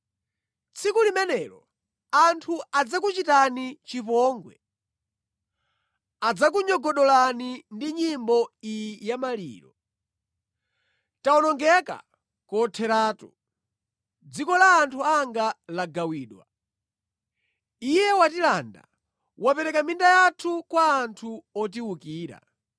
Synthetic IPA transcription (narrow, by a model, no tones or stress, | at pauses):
t͡sʰikulimɛnɛɾɔ̰ | antʰuad͡zakut͡ʃitanit͡ʃipɔːŋɡwɛ̰ | ad͡zak̬uɲɔɡɔɗɔlanindiɲimbɔijjamalḭːɾɔ̰ | taɔnɔŋɡɛka̰ | kɔtʰɛɾaːtu̥ | d͡zikɔlaːntʰuaŋɡalaɡawiːɗwa | ijɛwatilanda̰ | wapɛɾɛkamindajatʰukwaːntʰuɔt̬iwukiːɾa̰